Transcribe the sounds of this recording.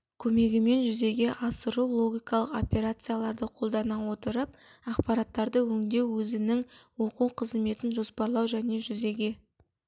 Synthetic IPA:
kʲʰɵme̞ɡʲɪme̞nʒʏze̞ɡʲe̞ʔɑsəɾuwlˠo̞ɡʲijkɑlˠəqo̞pʲe̞ɾat̪sɨjalˠɑɾd̪əqʰo̞lˠd̪ɑnɑwo̞t̪əɾəp̚ɑqpɑɾɑt̪ːɑɾd̪əwɵŋd̪e̞wwɵzɪnɪŋwo̞quqʰəzme̞t̪ɪnʒo̞spɑɾlˠɑwʒæne̞ʒʏze̞ɡʲe̞

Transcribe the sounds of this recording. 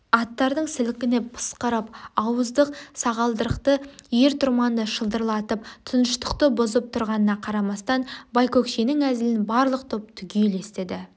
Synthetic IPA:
ɑt̪ːɑɾd̪əɴsɪlɪkʲɪnepʰə̥sqəɾəpɑwəzd̪əqsɑʁɑlˠd̪əɾəqt̪əje̞ɾt̪ʰʊɾmɑnd̪əʃəlˠd̪əɾlˠɑt̪əpt̪ʰʊnəʃt̪ə̥qt̪əbʊzəp̚t̪ʰʊɾʁɑnənɑqʰɑɾɑmɑst̪ɑnbɑjkokʃenɪŋæzɪlɪnbɑɾlˠəq̚t̪ʰop̚t̪ʰʏɡʲeele̞st̪ed̪ɪ

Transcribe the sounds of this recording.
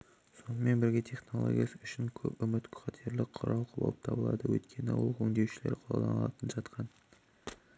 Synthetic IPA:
so̞nəme̞nbɪɾɡʲet̪ʰe̞χno̞lˠo̰ɡʲḭjasəʊʃɪŋkʲʰɵpʏmɪt̪kʲʰχɑt̪ʰeɾlɪqʰʊɾʔɑlˠqʰʊlˠɑ̰lˠəp̚t̪ʰɑbəlˠɑ̰d̪əwɵ̰t̪kʲʰe̞nɪwo̰lˠɵŋd̪ewʃɪlḛɾqʰolˠɑlˠɑ̰nɑlˠɑ̰t̪ʰənʒɑt̪qʰɑn

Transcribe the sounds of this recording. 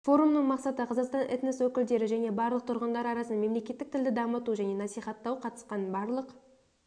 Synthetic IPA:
fo̞ɾumnəɴmɑqsɑt̪əqʰɑzɑqst̪ɑnʔɪ̰t̪neswɵkʲɪld̪e̞ɾɪʒæne̞bɑɾlˠəq̚t̪ʰʊɾʁənd̪ɑɾɑɾɑsənɑme̞mle̞kʲe̞t̪ːɪk̚t̪ʰɪld̪ɪd̪ɑmət̪uʒæne̞nɑsijχɑt̪ːɑwqʰɑt̪ə̥sqɑnbɑɾlˠəq

